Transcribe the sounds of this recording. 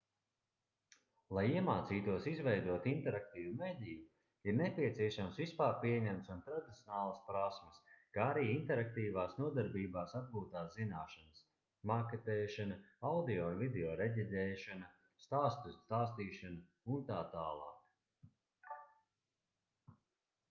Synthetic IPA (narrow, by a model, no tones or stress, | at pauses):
lˠajiɛmaːt̪siːt̪uɔsizvɛjd̪uɔt̪int̪ɛɾak̚t̪iːvumeːd̪ʲiːju | iɾnɛpʲiɛt̪siɛʃamsvispaːɾpiɛɲɛmt̪sunt̪ɾad̪it̪sʲjɔnaːlˠɐspɾasmɐskaaɾiːint̪ɛɾak̚t̪iːvaːsnuɔd̪aɾbiːbaːsad̪̚ɡuːt̪aːszinaːʃanɐs | maket̪ɛːʃanaawd̪ioːunvid̪eɔːɾeɟʲid̪ʲɛːʃana | st̪aːst̪usst̪aːst̪iːʃana | unt̪aːt̪aːlˠɑ̰ːk